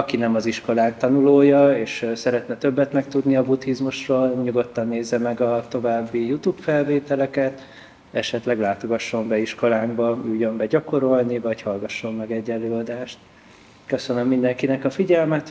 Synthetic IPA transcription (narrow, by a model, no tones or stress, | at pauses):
ɒkinɛmɒziʃko̞laːk̚t̪ɒnuloːjɒeːʃsɛɾɛt̪nɛt̪øbːɛt̪nɛk̚t̪ud̪niɒbut̪izmuʃroːlɲuɡo̞t̪ːɒnːeːzːɛmɛɡɒt̪o̞vaːbːijut̪uːpfɛlveːt̪ɛlɛkɛt̪ | ɛʃɛt̪lɛɡlaːt̪o̞ɡɒʃːo̞mbɛiʃko̞laːɡbɒyjːømbɛɟɒko̞ɾo̞lnivɒchɒlɡɒʃːo̞mːɛɡɛɟːɛlːøːɒd̪aːʃt̪ | kø̞sø̞nømːind̪ɛŋkinɛkɒfiɟɛlmɛt̪